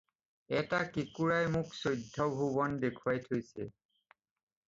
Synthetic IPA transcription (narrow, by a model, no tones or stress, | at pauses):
ɛtakikuɹajmʊksojdʱːɔbʱubɔndekʰuwajtʰojsɛ̰